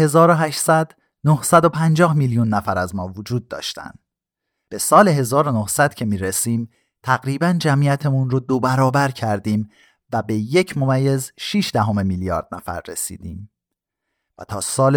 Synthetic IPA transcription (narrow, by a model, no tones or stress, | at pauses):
he̞zɒːɾoɦæʃsæd̪ | nohsæd̪o̞pʰænd͡ʒɒːhmiljunːæfæɾæzmɒːvod͡ʒuːd̪̚ːɒ̰ːʃt̪æ̰nd̪ | b̥e̞sɒːle̞ɦe̞zɒːɾo̞nohsæd̪̥cʰe̞miːɾesiːm | t̪ʰæɣɾiːbænd͡ʒæmʔijæt̪ʰe̞munɾod̪o̞bæɾɒːbæɾcʰæɾd̪iːm | væbe̞je̞cʰmo̞mæjːe̞zʃiːʃd̪æɦo̞me̞miljɒ̰ːɾd̪̥̚næfæ̰ɾːḛsḭːd̪iːm | væ̰t̪ʰɒːsɒːl